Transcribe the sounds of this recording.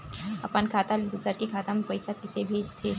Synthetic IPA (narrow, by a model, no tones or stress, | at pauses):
ɐpənkʰaːt̪alɪd̪usəɾkikʰaːt̪ampɐɪsakɪsebʱeːd͡ʒt̪ʰe